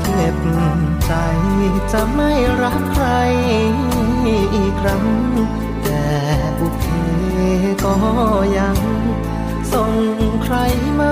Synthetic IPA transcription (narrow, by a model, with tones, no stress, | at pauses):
le˧˩p̚ | t͡ɕa˧jt͡ɕa˧˩ma˥˩jɾa˦˥p̚kʰːɾa˧j | ʔiː˨˩kʰɾa˦˥ŋ | t̪ɛː˨˩ | puː˧˩t̪ʰiː˧˩ | kɔː˧˩ja˧ŋ | so˨˩ŋkʰɾa˧˥j | maː˧˥